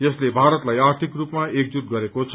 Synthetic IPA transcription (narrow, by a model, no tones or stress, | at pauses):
jʌslebʱaɾʌt̪lajart̪ʰikrupmaek̚d͡zut̪̚ɡʌɾekot͡sʰʌ